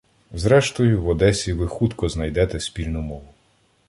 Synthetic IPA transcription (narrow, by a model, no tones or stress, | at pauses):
zɾɛʃt̪ɔjʊʋɔd̪ɛsʲiʋɪxut̪kɔznɐjd̪ɛt̪ɛsʲpʲilʲnʊmɔʋʊ